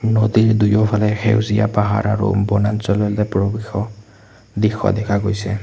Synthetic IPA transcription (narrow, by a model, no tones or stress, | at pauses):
nodiɹdujɔpʰalɛxḛwzija̰paɦa̰ɹaɹṵbɔnansɔlɔlɛpɹɔbixɔ | dixɔ̰dɛkʰaɡojsɛ̰